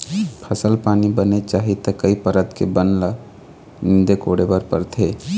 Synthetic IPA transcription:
pʰɐsəlpaːnibənet͡ʃaːɦit̪əkəipəɾət̪kebənlə | nɪnd̪ekoːɽebəɾpəɾt̪ʰeː

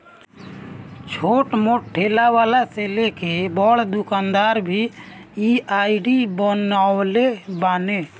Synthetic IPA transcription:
t͡ʃʰoʈmoʈʈʰːelaʋaːlaselekebɔɽd̪ukaːnd̪aːɾbʱiiaiɖibənalebaːne

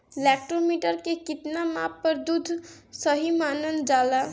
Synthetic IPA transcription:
lɛk̚ʈomiʈəɾkekɪt̪namapːəɾd̪ud̪ʱsəɦimanənd͡ʒala

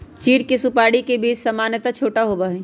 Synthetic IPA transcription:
t͡ʃiːɾkesʊpaːɽikebiːd͡ʒsɐmaːnjət̪at͡ʃʰoːʈaɦoːbaɦɛ

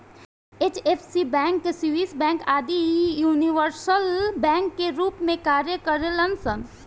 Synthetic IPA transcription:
eːt͡ʃeːfʰsibɛ̃ːŋkːesiʋiːsbɛ̃ːŋkaːd̪ijuːniʋəɾsəlbɛ̃ːŋkːeɾuːpmẽkaːɾjəkɐɾelɐnsən

